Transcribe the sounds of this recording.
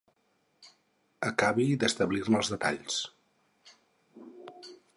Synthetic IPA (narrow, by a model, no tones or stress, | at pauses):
əkaβid̪əst̪əβlirməlˠzðət̪a̰ʎs